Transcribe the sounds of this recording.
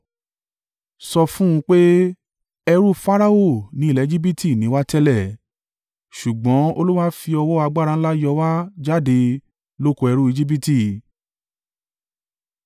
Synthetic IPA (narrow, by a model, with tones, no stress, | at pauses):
sɔ˧fũ˦ũ˧k͡pe˦ | ɛ˧ɾu˦fa˦ɾa˦o˦˨nĩ˨˦i˦˨lɛ˨˦d͡ʒi˦bi˦tʰi˦˨nĩ˨˦wa˦tɛ˦lɛ˦˨ | ʃu˨ɡ͡bɔ̃˨˦o˧lu˦wa˦fi˧ɔ˧wɔ˦a˧ɡ͡ba˦˨ɾã˧˦la˦jɔ˧wa˦d͡ʒa˦de˧ | lo˦ko˧ɛ˧ɾu˦i˧d͡ʒi˦bi˦ti˦˨